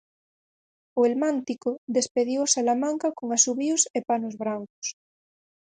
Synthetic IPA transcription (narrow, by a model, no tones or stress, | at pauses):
ʊelmãnt̪ikʊðespeðiwsalamãŋkakoŋasuβiʊsepanʊzβɾaŋkʊ̥s